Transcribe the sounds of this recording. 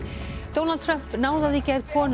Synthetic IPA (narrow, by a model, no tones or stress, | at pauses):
d̪ownalt̪̚t̪ʰɾœm̥pnaːwðaðicɛɾkʰɔːn